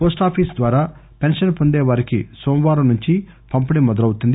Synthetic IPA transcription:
poːsʈaːpʰiːsd̪ʋaːɾaːpe̞nʂɐnpo̞nd̪eːʋaːɾikḭsoːmʋaːɾɐnuɲt͡ʃi | pɐmpɐnimɔd̪ɐlɐwut̪und̪i

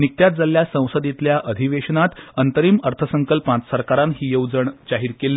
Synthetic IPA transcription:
nik̚t̪jat̪̚d͡zaljasə̃w̃səd̪it̪ljaʔəd̪ʱiʋeɕənat̪ənt̪əɾiːməɾt̪ʰəsəŋkəlpãt͡ssəɾkaɾãnɦiːjəwd͡zəɳd͡ʑaɦiːɾkelː

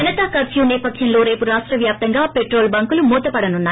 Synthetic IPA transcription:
ɐnɐt̪akɐɾsjuːnɛːpɐt̪ʰjɐnlo̞ːɾe̞ːpuɾaːʂʈɾɐʋjaːp̚t̪ɐŋɡaːpe̞ʈɾo̞ːlbɐŋkulumuːt̪ɐpɐɽɐnunːaː

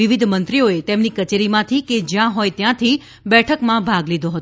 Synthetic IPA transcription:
iʋid̪ʱmənt̪ɾioet̪emnikət͡ʃeɾimãt̪ʰiked͡ʒjãɦojt̪jãt̪ʰi | bɛʈʰəkmãbʱaɡlid̪ʱoɦət̪o

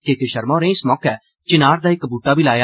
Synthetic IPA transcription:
kekeʃəɾmãːɾẽːɪsmɔːkɛː | t͡ʃɪnaːɾd̪aːɪkbuːʈaːbʱiːlaːjaː

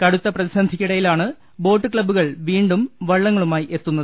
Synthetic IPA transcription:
kɐɽut̪ːɐprɐðisɐnd̪ʱikʲːiɽɐjilaːɳɨ | bo̞ːʈːɨkɭɐbːuɣɐɭʋiːɳɖumʋɐɭːɐŋːɐɭumaːjiʔe̞t̪ːunːɐðɨ

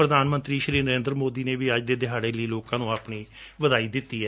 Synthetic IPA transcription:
ɾəd̪aːnmə̃nt̪ɾiːʃɾiːɾnəɾẽːnd̪ɾmoːd̪iːneːʋiːəd͡ʒd̪eːd̪ɪɦaːɽeːləiːloːkãːnũːaːpɳiːʋəd̪aːiːd̪ɪt̪ːiːɛː

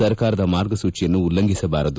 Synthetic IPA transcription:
ɐɾkaːɾɐd̪ɐmaːɾɡɐsuːt͡ʃijɐnːuːlːɐŋɡisɐbaːɾɐd̪u

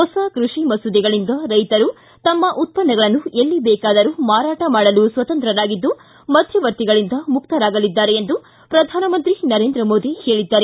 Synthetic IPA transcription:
ɦɔsɐkɾuʂimɐsud̪iɡɐɭind̪ɐɾɐjt̪ɐɾu | t̪ɐmːɐʔut̪̚pɐnːɐɡɐɭɐnːuelːibɛːkaːd̪ɐɾumaːɾaːʈɐmaːɽɐlusʋɐt̪ɐnt̪ɾɐɾaːɡid̪ːu | mɐd̪ʱjɐʋɐɾt̪iɡɐɭind̪ɐmukt̪ɐɾaːɡɐlid̪ːaːɾeend̪u | pɾɐd̪ʱaːnɐmɐnt̪ɾinɐɾe̞ːnd̪ɾɐmo̞ːd̪ihe̞ːɭid̪ːaːɾe

